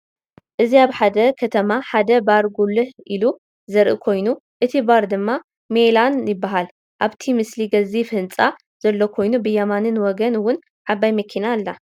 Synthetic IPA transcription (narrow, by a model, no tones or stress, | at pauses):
ʔɨziaβħad̪ɐkʰɐt̪ʰɐmaħad̪ɐbaɾɡulɨhʔilu | zɐɾʔɨkʰo̞jnuʔɨt̪ʰibaɾd̪ɨmːa | melanjɪbːaɦal | ʔaβt̪ʰimɨsliɡɐzifɨnt͡sʼa | z̥ɐlːo̞kʰo̞jnubɨjɐmanɨnwɔɡɐnwʊn | ʕaβajmɐkʰinalːa